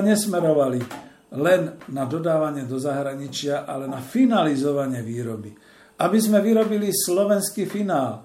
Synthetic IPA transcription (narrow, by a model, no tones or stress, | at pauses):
ɲɛsmɛɾɔʋali | lɛnːad̪ɔd̪aːʋaɲɪɛd̪ɔzaɦɾaɲit͡ʃɪaʔalɛnafinalizɔʋaɲɪɛʋiːɾɔbi | abizmɛʋiɾɔbilislɔʋɛnskifinaːl